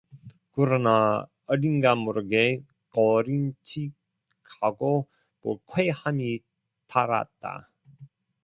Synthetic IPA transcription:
kɯɾʌna | ʌɾinɡamuɾɯɡe | kʌɾint͡ɕʰi | kʰaɡo | pokʰwehami | taɾa̰t̚t͈a̰

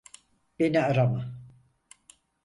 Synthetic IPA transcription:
b̥enɛaɾama

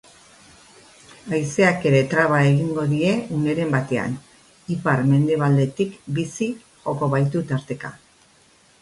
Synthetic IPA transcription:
ajse̞ake̞ɾe̞t̪ɾaβ̞ae̞ɣiŋɡo̞ðie̞une̞ɾe̞mbat̪e̞a̰n | ipaɾme̞nd̪e̞β̞ald̪e̞t̪ikbisi | ɣo̞ko̞βajt̪ut̪aɾt̪e̞ka̰

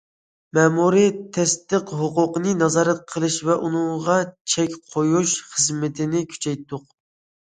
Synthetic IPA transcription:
mɛmuɾit̪ʰɛst̪ɨqɦʊqʊqənɨnɑzɑːɾɛt̪̚qʰəlˠɨʃvɛʔunɨŋʁɑt͡ʃʰɛkʲqʰojuʃχəzmɪt̪ʰɪnɪkʲʰy̥t͡ʃʰɛjt̪ːʊq

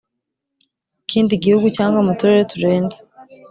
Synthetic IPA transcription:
iciːndiɟihuɡucaːŋɡwamatuɾeɾetuɾe̞ːnze

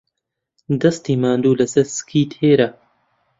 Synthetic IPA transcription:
d̪ɐst̪iːmaːnd̪uːlɐsɐɾsɨ̥kʰiːt̪heːɾɐ

